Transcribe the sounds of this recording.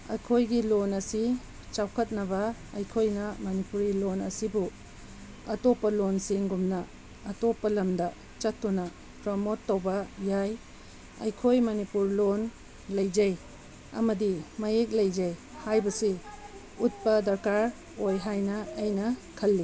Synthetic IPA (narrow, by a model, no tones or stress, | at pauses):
ɐ̰jkʰojɡilonɐsi | t͡ʃawkʰɐt̚nɐbɐɐjkʰojnɐmɐnipuɾilonɐsibu | ɐtopːɐlonsiŋɡumnɐ | ɐtopːɐlɐmdɐ | t͡ʃɐtːunɐ | pɾɐmotːowbɐjaj | ɐ̰jkʰojmɐnipuɾlon | lɐjd͡ʒɐj | ɐ̰mɐdimɐjek̚lɐjd͡ʒɐj | hajbɐsi | ut̚pɐdɐɾkaɾ | ojɦajnɐːjnɐkʰɐlːi